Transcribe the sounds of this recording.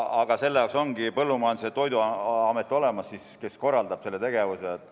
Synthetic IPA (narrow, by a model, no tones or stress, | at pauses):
ɑɡ̥ɑse̞lːejɑˑokso̞ŋɡipɤlːumɑːnd̪iset̪ːo̞jd̪uɑɑme̞t̪ːˑo̞le̞mɑsːiske̞sko̞rːɑld̪ɑb̥se̞lːe̞t̪e̞ɡe̞vuseet̪ːˑ